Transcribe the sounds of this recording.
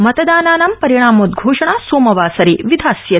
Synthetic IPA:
mɐt̪ɐd̪aːnaːnampɐɾiɳ̃aːmoːt̪̚ɡʱoːʂɐɳaːsoːmɐʋaːsɐɾiʋid̪ʱaːsjɐ

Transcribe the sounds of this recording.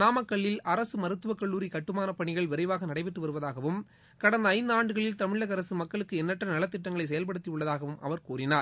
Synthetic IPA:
naːmɐkːɐɭːɪlʔɐɾɐsɯmɐɾɯt̪ːɯʋɐkːɐɭːuːɾikɐʈːɯmaːnɐpɐɳɪɣɐɭʋɛɾɐɪʋaːɣɐnɐɽɐɪpɛʈrːɯʋɐɾɯʋɐðaːɣɐʋɯm | kɐɽɐnd̪ɐːɪnd̪ɯaːɳɖɯɣɐɭɪlt̪ɐmɪɭɐɣɐɾɐsɯmɐkːɐɭɯkːɯɛnːɐʈrɐnɐlɐt̪ːɪʈːɐŋɡɐɭɐɪsɐjɐlpɐɽɯt̪ːijʊɭːɐðaːɣɐʋɯmʔɐ̰ʋɐɾkuːrɪnaːɾ

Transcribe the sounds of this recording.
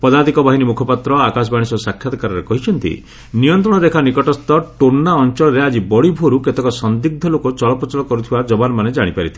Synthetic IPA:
pɔd̪ad̪ikɔbaɦinimukʰɔpat̪ɾɔakas̬ɔbaɽ̃isɔsakʰːjat̪ɔkaɾɔɾekɔɦit͡ʃʰɔnt̪ḭ | nijɔnt̪ɾɔɽ̃ɔd̪ekʰanikɔʈɔst̪ɔʈonːaɔnt͡ʃɔɭɔɾead͡ʒibɔɽibʱoɾuket̪ekɔsɔnd̪iɡ̚d̪ʱɔlokɔt͡ʃɔɭɔpɾɔt͡ʃɔɭɔkɔɾut̪ʰibad͡ʒɔbanɔmaned͡ʒaɽ̃ipaɾit̪ʰi̥

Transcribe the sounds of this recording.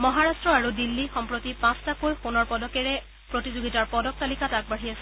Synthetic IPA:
mɔɦaɹastɹɔaɹudilːixɔmpɹotipãstakojxonɔɹpɔdɔkɛɹɛ | pɹotizoɡitaɹpɔdɔk̚talikatak̚baɦiasɛ̥

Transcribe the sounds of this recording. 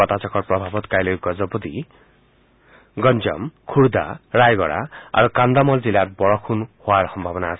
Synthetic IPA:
ɔt̪at͡ʃɔkɔɾpɾɔbʱabɔt̪kajlɔjɡɔd͡ʒɔbɔd̪i | ɡɔnd͡ʒɔ̰mkʰuɽd̪a̰ɾajɡɔɽa̰a̰ɾukand̪amɔld͡ʒilaɾbɔɭɔkʰunhoaɾsɔmbʱabɔnaːsi̥

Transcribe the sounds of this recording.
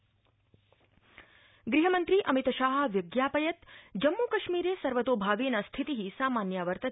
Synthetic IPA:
ɡɾiɦəmənt̪ɾiʔɐmit̪ʃaːɦɐ̆ʋjʊɡjaːpɐjɐt̪d͡ʒɐmːukɐʃmiɾeːsɐɾʋət̪oːbʱaːʋinast̪ʰit̪iɦisaːmaːnjaʋəɾt̪ɐ

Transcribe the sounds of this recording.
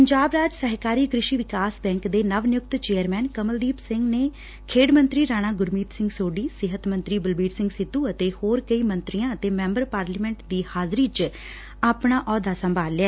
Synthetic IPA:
ppəɲd͡ʒaːbɾaːd͡ʒsəɦkaːɾiːkɾɪʃiːʋɪkaːsbɛ̃ːŋkd̪eːnəʋnɪjʊk̚t̪t͡ʃeːəɾmɛːnkəməld̪iːpsɪŋɡneː | kʰeːɖmə̃nt̪ɾiːɾaːñaːɡʊɾmiːt̪sɪ̃ŋɡsoːɖiːsɪɦət̪mə̃nt̪ɾiːbəlbiːɖsɪ̃ŋɡsɪt̪ːuːət̪eːhoːɾkəiːmə̃nt̪ɾijãːət̪eːmɛ̃ːmbəɾpaːɾlimɛ̃ɳʈd̪iːhaːzɾiːt͡ʃ | aːpɳaːʔɔːd̪aːsəmbʱaːlːeɛː

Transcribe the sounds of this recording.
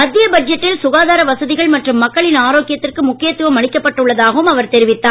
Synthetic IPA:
mɐd̪ːɪjɐbɐd͡ʒɐʈːɪlsʊɣaːðaːɾɐʋɐsɐðɪɣɐɭmɐʈrɯmːɐkːɐɭɪnaːɾoːkːɪjɐt̪ːɪrkɯmʊkːɪjɐt̪ːɯʋɐmɐɳɪkːɐpːɐʈːɯɭːɐðaːɣɐʋɯmɐʋɐɾt̪ɛɾɪʋɪt̪ːaː

